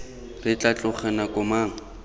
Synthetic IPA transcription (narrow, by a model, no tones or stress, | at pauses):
rɪt͡ɬʼat͡ɬʼʊχɛnakʼʊmaːŋ̩